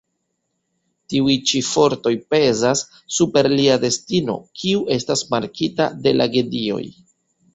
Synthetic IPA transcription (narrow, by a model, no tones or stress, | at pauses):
tiujt͡ʃifo̞ɾto̞jpe̞zasː | upe̞ɾliade̞stino̞̰kʰiuʔe̞stasmaɾkʰita̰de̞lʔaɡe̞dio̞̰j